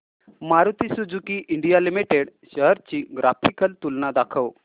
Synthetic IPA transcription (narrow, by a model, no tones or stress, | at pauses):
maɾut̪isud͡zukiʔiɳɖijalimiʈeɽɕəɦəɾt͡ɕiːɡɾafʰikəlt̪ulnad̪akʰəw